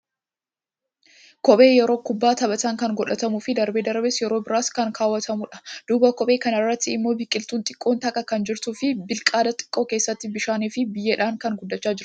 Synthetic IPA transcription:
kɔbe̞ːjɛɾo̞ːkʊbːaːt̪ɐbɐt̪aŋkɐŋɡɔᶑɐt̪ɐmuːfɪd̪ɐɾbe̞ːd̪ɐɾbeːsjɛɾoːbɪɾaːskɐŋkʰaːwːɐt̪ɐmʊᶑɐ̥d̪̥uːbɐkɔɓʼeːkɐnɐrːɐt̪ːɪɪmːo̞ːbɪkʼɪlt̪uːnt̪ʼɪ̥kʼːo̞ːnt̪ɐkʼɐkɐnd͡ʒɪɾt̪uːfɪbɪlkʼaːd̪ɐt̪ʼɪ̥kʼːo̞ːkeːsːɐt̪ːɪbɪʃaːniːfɪbɪjːeːᶑaːŋkɐŋɡʊd̪ːɐt͡ʃːaːd͡ʒɪɾ

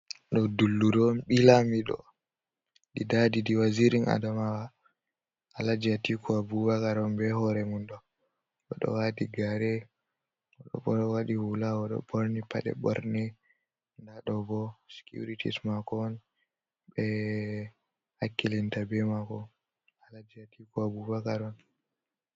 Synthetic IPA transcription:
ɗɔdulːuɾɔnɓilamiɗɔ̰ | ɗidadidiwaziɾiŋa̰damawa | ʔalad͡ʒiatikʰɔabuwakaɾɔmbɛhɔɾɛmunɗɔ | ɓɔɗɔ̰wadiɡaɾɛ | ɔɗɔ̰ɓɔɔwaɗihulawɔɗɔ̰ɓɔɾnipa̰ɗɛ̰bɔ̰ɾnɛ | ndaɗɔbɔsi̥kjṵɾitḭsmakɔn | ɓɛ | hakːilintabɛmakɔ | alad͡ʒiatikɔabubakaɾɔn

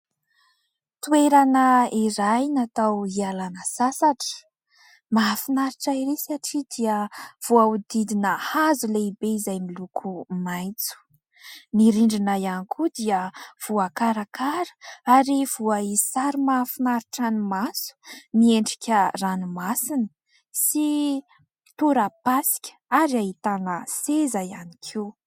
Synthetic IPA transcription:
t̪ueɾanəiɾajnat̪awialanəsasaʈ͡ʂə̥ | mafinaɾiʈ͡ʂaiɾesiaʈ͡ʂid̪iəv̥uaud̪id̪inəhazuleibeizajmilukʰumajt͡su̥ | niɾiɳɖ͡ʐinajanikʰud̪iəv̥uakaɾakaɾə̥aɾiv̥uaisaɾimafinaɾiʈ͡ʂanimasu̥nieɳɖ͡ʐi̥kʲəranimasinə̥ | si | t̪uɾapasi̥kʲə̥aɾiaɦit̪anəsezajanikʰew

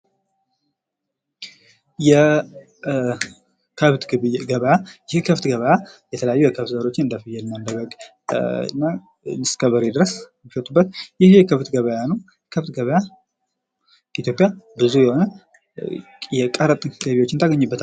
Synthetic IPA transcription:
jɛ | kʰəβt̪ɡəβəjajɪhekʰəft̪ɡəβəjajɛt̪ʰələjajːujɛkʰəft̪zəɾo̞t͡ʃːɪnɨnd̪əfɨjːɛlɨnːand̪əɡəɡ | ɨ̰nːa | nɨskʰəβəɾed̪ɨɾəs | mːifət̪ʼubːət̪jɪhkʰəft̪ɡəβəjanəw | kʰəft̪ɡəβəja | it̪jo̞pʼjabɨzujɛho̞nə | jɛkʼəɾət̪ʼɡ̥əβiwo̞t͡ʃːɪnt̪ʰaɡəɲːɪbːət̪ʰal

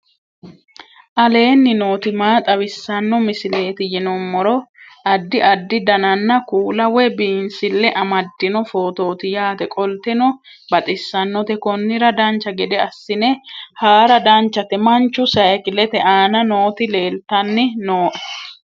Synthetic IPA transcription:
ʔɐle̞ːnːɪno̞ːt̪ɪmaːt̪ʼɐwɪsːɐnːɔmɪsɪle̞ːt̪ɪjɪnɔmːɔɾɔ | ɐd̪ːɪʔɐd̪ːɪd̪ɐnɐnːɐkuːlɐwɛbiːnsɪlːɛʔɐmɐd̪ːɪnɔfo̞ːt̪o̞ːt̪ɪjaːt̪ɛkʼɔlt̪ɛnɔ | bɐt̪ʼɪsːɐnːɔt̪ɛkɔnːɪɾɐd̪ɐnt͡ʃːɐɡɛd̪ɛɐsːɪnɛhaːɾɐd̪ɐnt͡ʃːɐt̪ɛmɐnt͡ʃːʊsɐjkɪlɛt̪ɛʔaːnɐno̞ːt̪ɪle̞ːlt̪ɐnːɪnoːʔɛ̥

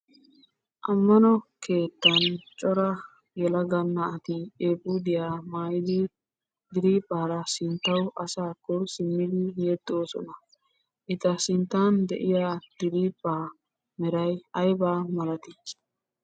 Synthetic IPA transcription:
ʔɐmːɐnɔke̞ːt̪ːɐnt͡ʃʼɔɾɐ | jɛlɐɡɐnːɐɐt̪ɪeːpʼːud̪ɪjaːmaːjɪd̪ɪ | d̪ɪɾiːpʼːaːɾɐsɪnt̪ːɐwʔɐsaːkːɔsɪmːɪd̪ɪjeːd̪ːɪoːsɔ̰nɐ | ʔɪt̪ɐsɪnt̪ːaːnd̪ɛ̰ʔɪjad̪̥ɪɾiːpʼːaː | mɛɾɐjɐjbaːmɐlɐt̪ɪ

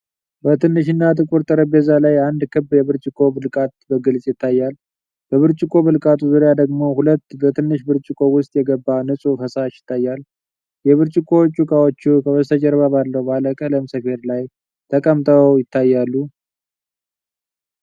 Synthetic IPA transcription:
bət̪ʰɨnːɨʃɪnːat̪ʰɨkʼuɾt̪ʼəɾəbezalajand̪kʰɨbjɛβɨɾt͡ʃʼɪkʰo̞bɨlkʼat̪̚bəɡɨlsʼjɪt̪ʰːajːal | bəβɨɾt͡ʃʼɪkʰʼo̞βɨlkʼat̪ʰuzuɾjad̪əɡmo̞hulət̪ːbət̪ʰɨnːɨʃbɨɾt͡ʃʼɪkʰʼo̞wʊst̪ʼjɛɡəbːanɨsʼuɦəsaʃjɪ̥t̪ːajːal | jɛβɨɾt͡ʃʼɪkʰo̞t͡ʃʼːukʼawot͡ʃːukʰəβəst̪ʰəd͡ʒɛɾβaβalːəwbaləkʼələmsəfe̞ɾlaj | t̪ʰəkʼəmt̪ʼəwjɪt̪ːajːalːu

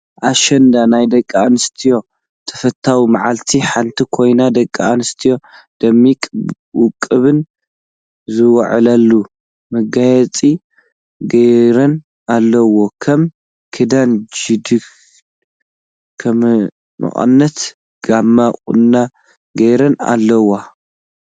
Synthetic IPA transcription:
ʔaʃɐnd̪anajd̪ɐkʼːaanɨst̪ʰijo̞ | t̪ʰɐ̥fɐt̪ʰːawimaʕalt̪ʰiħant̪ʰikʰo̞jnad̪ɐkʼːaanɨst̪ʰijo̞ | d̪̥ɐmːikʼ | wʊkʼːɨβɨn | zɨwɐʕɨlɐlːu | mɐɡajɛt͡sʼi | ɡɐjɾɐn | alːɐwo̞kʰɐm | kʰɨd̪and͡ʒid̪ɨk | kʰɐm | mɨ̰χʼɐ̰nːɐt̪ | ɡ̥amːaχʼṵnːa | ɡɐjɾɐna̰lːɐwːa

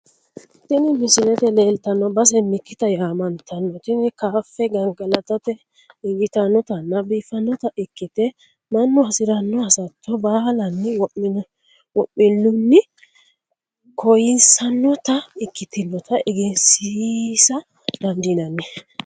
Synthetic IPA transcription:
t̪ɪnɪmɪsɪlɛt̪ɛleːlt̪ɐnːɔbɐs̬ɛmɪkːɪt̪ɐjaːmɐnt̪ʰɐnːɔt̪ɪnɪkaːfːɛɡɐŋɡɐlɐt̪ɐt̪ɛ | ɪɡɪt̪ɐnːɔt̪ɐnːɐbiːfɐnːɔt̪ɐʔɪkːɪt̪ɛ | mɐnːɔɐsɪɾɐnːɔɐsɐt̪ːɔbaːlɐnːɪwɔ | wɔʔːɪnːʊnːɪ | kʰɔjɪnsɐnːɔt̪ɐɪkːɪt̪ɪnːɔt̪ɐɪɡɪnsisɐ | d̪̥ɐnd̪inɐnːɛ

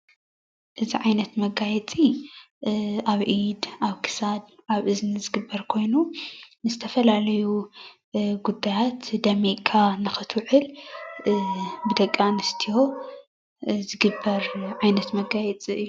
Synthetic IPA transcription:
ʔɨziʕajnɐt̪mɐɡajɛt͡sʼi | aβʔid̪ʔaβkʰɨ̥sad̪ʔaβʔɨznzɨɡɨbːɐɾkʰo̞jnunɨzɨt̪ʰɐfɐlalɐju | ɡud̪ːajat̪d̪ɐmiʔkʰanɨxɨt̪ʰwʕɨl | bɨd̪ɐkʼːanɨst̪ʰijo̞ | zɨɡɨbːɐɾʕajnɐt̪mɐɡajɛt͡sʼiɨjːu

